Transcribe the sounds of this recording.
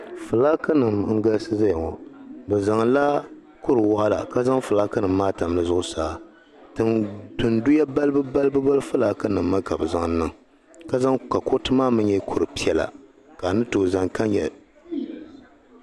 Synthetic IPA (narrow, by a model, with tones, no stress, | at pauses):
fɨ˨laː˦ka˦nɨ˨mŋ̩˦ɡa˦lsɨ˦za˦jŋɔ˨bɨ˨za˨ŋ˨la˦ | kʊ˦ɾɨ˨wa˦ʔa˦la̰˨ka˦za˦ŋfɨ˨laː˦ka˦nɨ˨m̩ːaː˦ta˨m˨lɨ˦˨zʊ˦ʔʊ˦saː˦ | tɨ˨ndɨ˨ndʊ˦ja˦ba˦lbɨ˦ba˦lɨ˦bɨ˦ba˦lɨ˦fɨ˦laː˦ka˦nɨ˨mː˦a˦ka˨bɨ˨za˨ŋ˦nɨ˨ŋ | ka˦za˦ŋka˨ko˦tɨ˦maː˦mɨ˦ɛ˦kʰʊ˦ɾɨ˨pi˦ɛ˨la̰˨ | ka˨nɨ˦to˨za˨ŋka˦ɲɲɛ̰˨